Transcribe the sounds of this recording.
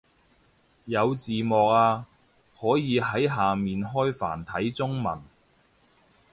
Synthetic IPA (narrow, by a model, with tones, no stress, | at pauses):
jɐ˨˧wt͡siː˨mɔː˨k̚aː˧ | hɔː˨˥jiː˨˧ɦɐ˨˥jɦaː˨miː˨nɦɔː˥jfa̰ː˨˩nt̪ʰɐ˨˥jt͡sʊ˥ŋmɐ̰˨˩n